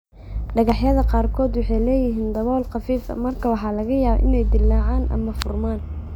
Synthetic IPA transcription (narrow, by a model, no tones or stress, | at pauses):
ɖɐɣɑħjɐðɐqɑːrkʰɔːd̪wɑħɑjlɛːjɪɦiːnd̪ɐβɔːlqɑfiːfɐ̰mɐrkʰɐwɑħɑːlɐɣɐjaːβɔ̰ʔɪnɛjd̪ɪlːɑːʕaːnʔɐ̰mɐfʊrmaːn